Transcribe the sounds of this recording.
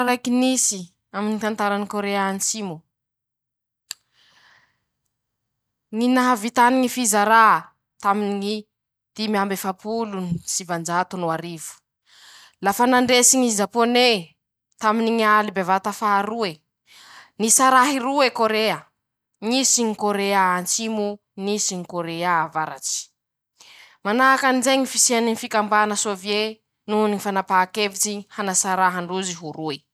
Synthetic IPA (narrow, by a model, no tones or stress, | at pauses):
ɾajkinisi | aminit̪ant̪aɾanikoɾeanisimu | ŋinaɦavit̪aniŋifizaɾa | t̪aminiŋi | d̪̥imiambefapulunisivand͡ʒat̪unuaɾivu̥ | lafanaɳɖ͡ʐesiɲizapone | t̪aminiɲialibevat̪afaːɾue | nisaɾaɦiɾuekoɾeə | ŋisiɲikoɾeaant͡simu | nisiɲikoɾeaavaɾa̰t͡si̥ | manaakanizejɲifisianinifikambanəsovije | nunifanapaːkevit͡sihanasaɾaɦaɳɖ͡ʐuziɦuɾue